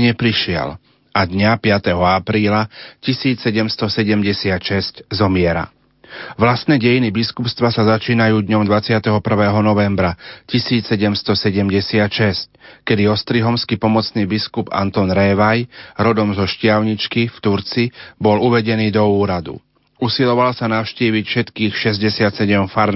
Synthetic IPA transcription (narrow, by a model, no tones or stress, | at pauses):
ɲɛpɾiʃɪɛ̰l | ʔad̪ɲapɪat̪ɛɦɔapɾiːlacisiːt͡ssɛɟɛmst̪ɔsɛɟɛmɟɛsɪat̪ʃɛsczɔmɪɛɾa̰ | ʋlast̪nɛːɟɛjinibiskupst̪ʋasazat͡ʃiːnajuːd̪ɲɔmd̪ʋat͡sɪat̪ɛɦɔpr̩ʋɛːɦɔnɔʋɛmbɾacisiːt͡ssɛɟɛmst̪ɔsɛɟɛmɟɛsɪat̪ʃɛsc̚kɛd̪iɔst̪ɾiɦɔmskipɔmɔt͡sniːbiskuba̰nt̪ɔnɾɛːʋajɾɔd̪ɔmzɔʃcɪaʊɲit͡ʃkift̪uɾt͡sibɔluʋɛɟɛniːd̪ɔuːɾad̪ṵ | usilɔʋalsanaʊʃciːʋicfʃɛt̪kiːxʃɛzɟɛsɪat̪sɛɟɛmfaɾn